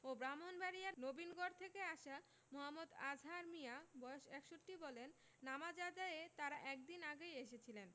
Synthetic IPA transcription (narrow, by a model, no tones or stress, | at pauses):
obɾamonbaɾijanobinɡɔɾt̪ʰekeaʃa | moɦamːod̪ad͡ʑʱaɾmijabɔoʃɛkʃoʈːibɔlenː | amad͡ʑad̪aet̪aɾaʔɛk̚d̪inaɡejeʃet͡ɕʰilen